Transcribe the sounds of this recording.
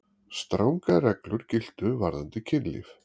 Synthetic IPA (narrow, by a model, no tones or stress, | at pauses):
st̪ɾawŋkarɛklʏɾ̥cɪl̥t̪ʏvaɾðant̪ɪcʰɪnlḭf